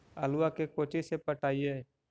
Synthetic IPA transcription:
əluwakekot͡ʃisepəʈaːijɛ

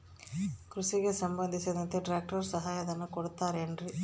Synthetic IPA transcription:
kɾusiɣesɐmbɐnd̪isɐd̪ɐnt̪ːeʈɾaːk̚ʈɐɾsɐɦaːjɐðɐnːɐkɔɽut̪ːaːɾendri

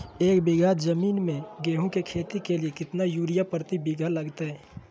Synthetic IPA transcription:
eːkbɪɡʱad͡ʒəmiːnmẽɡeːɦõkekʰeːt̪ikeliekɪt̪najuːɾijapɾət̪ibɪɡʱalɐɡt̪aɦɛː

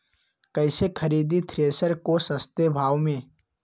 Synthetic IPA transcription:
kɐɪsekʰəɾiːd̪it̪ʰɾeːsəɾkosəst̪ebʱaːʋmẽ

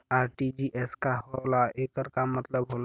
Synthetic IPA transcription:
aɾʈid͡ʒiʔɛskaɦolaekəɾkamət̪ləbɦol

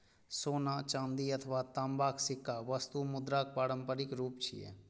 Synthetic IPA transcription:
soːnat͡ʃãːnd̪iət̪ʰəʋat̪əmbaksɪkːaʋəst̪umʊd̪ɾak̚paːɾəmpəɾikɾuːpt͡ʃʰḭjḛ

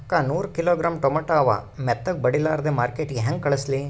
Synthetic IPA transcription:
kːaːnuːɾkiloːɡɾaːmʈɔmɐʈaːʋa̰mɛt̪ːɐk̚bɐɽilaːɾd̪emaːɾkeːʈɡɦeŋɡ̚kɐɭɐsli

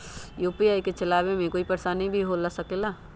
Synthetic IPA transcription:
juːpijaːiket͡ʃɐlaːbemẽkoːipəɾsanĩbʱiɦolasəkela

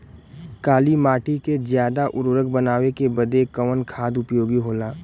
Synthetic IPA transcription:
kaːlimaːʈikezjaːd̪aʔʊɾʋəɾək̚bənaːwekebəd̪ekəʋənkʰaːd̪ʊpjoːɡiɦoːlaː

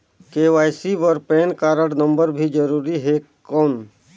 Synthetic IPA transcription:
keːʋaːjsibəɾpeːnkaːɾəɽnəmbəɾbʱid͡ʒəɾuːɾiɦe | kɔːn

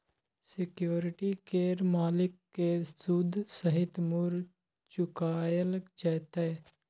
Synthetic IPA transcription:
sɪkjoːɾɪʈikeːɾmaːlɪkːesud̪ʱsəɦɪt̪mʊɾ | t͡ʃʊkaːjəlt͡ʃɛːt̪eː

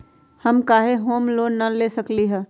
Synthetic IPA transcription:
hɐmkaːɦeɦoːmloːnːɐleːsəkliɦɛ̃ː

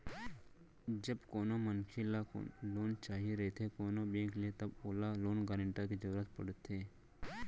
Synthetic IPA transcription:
d͡ʒəbkoːnoːmənkʰiːla̰loːnt͡ʃaːɦiɾet̪ʰeːkoːnoːbẽːklet̪əboːlaloːnɡaːɾəɳʈakid͡ʒəɾuːɾət̪pəɽət̪ʰːeː

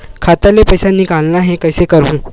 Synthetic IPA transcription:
kʰat̪alepəjsãnːiːkalnaɦẽkəjsekəɾũː

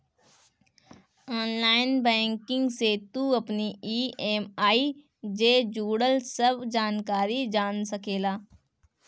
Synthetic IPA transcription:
ɔːnlaːɪnbɛ̃ːŋkɪ̃ŋɡset̪uɐpniiːeːmaːi | d͡ʒeːd͡ʒuːɽəlsəbd͡ʒaːnkaːɾid͡ʒaːnsɐkeːlaː

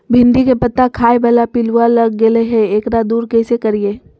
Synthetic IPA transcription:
bʱɪ̃nd̪ikepɐt̪ːakʰaːebɐlapɪluwalɐɡːeleɦɛ̃eːkɾad̪uːɾkɛsekɐɾieː

